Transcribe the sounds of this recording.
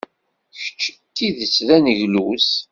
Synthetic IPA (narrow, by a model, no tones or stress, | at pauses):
çə̥t͡ʃːə̥t̪ːiðət͡sːɾænəʝlus